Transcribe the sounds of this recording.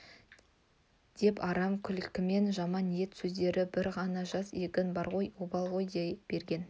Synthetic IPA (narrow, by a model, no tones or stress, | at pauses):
d̪̥e̞pɑɾɑmkʲʰʏlkʲɪme̞nʒɑmɑnːije̞t̪sɵzd̪e̞ɾɪbɪɾʁɑnɑʒɑsekʲɪnbɑɾʁo̞jobɑlˠʁo̞jd̪eb̥e̞ɾɡʲe̞n